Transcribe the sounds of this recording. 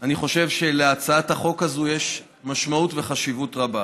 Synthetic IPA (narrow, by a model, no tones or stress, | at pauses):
aniχo̞ʃe̞vʃe̞leat͡saathaχo̞kazujeʃ | maʃmautveχaʃivutʁaba